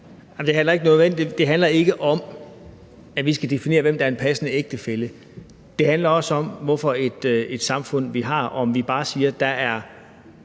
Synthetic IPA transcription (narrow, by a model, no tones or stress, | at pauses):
ɑmd̥e̝ɦænlɐe̝ɡ̥ənɔ̽ðˠʋend̥e̝d̥e̝ɦænlɐe̝ɡ̥əʔɒ̽m | æʋisɡ̥æd̥e̝fine̝̰ːɐʋem̰d̥ɑæɐenpʰæsənəeɡ̥̚d̥əfelə | d̥e̝ɦænlɐɒ̽sɒ̽mʋɒfɒ̽e̝d̥ed̥sɑ̈mfɔ̽n̰ʋiɦɑ̈ɒmʋib̥ɑ̈ːsiːɐd̥ɑæɐ